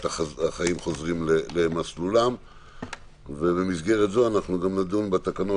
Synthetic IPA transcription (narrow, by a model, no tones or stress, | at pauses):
taaχaimχo̞zʁimlelemaslulam | vebemisɡe̞ʁet̪zo̞anaχnuɡamnad̪unbat̪akano